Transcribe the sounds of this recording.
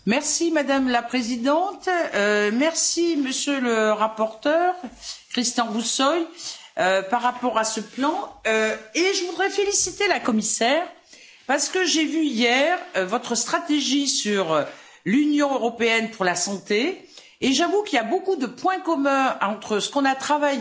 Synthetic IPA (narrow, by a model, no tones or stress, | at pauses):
mɛʁsimad̪amlapχezid̪ɑ̃t̪ømɛʁsiməsjøləʁapɔʁt̪œʁkχist̪ɑ̃ʁusɔj | øpaʁːapɔʁasəplɑ̃øeʒəvud̪ʁɛfelisit̪elakɔmisɛːʁ | paʁsə̥kəʒevyijɛʁvɔt̪χəst̪χat̪eʒisyʁ | lynjɔ̃øʁɔpeɛnpuʁlasɑ̃t̪eː | ʒavukʲiljabokud̪əpwɛ̃kɔmɛ̃ɑ̃t̪χəsə̥kɔ̃nat̪χavaj